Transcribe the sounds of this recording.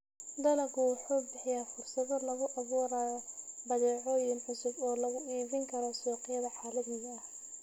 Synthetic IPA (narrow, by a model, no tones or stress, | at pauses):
d̪ɐlɐɣʊwʊħuːbɪħɪjaːfʊrsɐðɔlɐɣʊʔɐβuːɾaːjɔbɐðɛːʕɔːjɪnʕʊsʊbɔːlɐɣʊʔiːβɪŋkʰɐɾɔsɔːqɪjɐðɐħaːlɐðiːɐɐh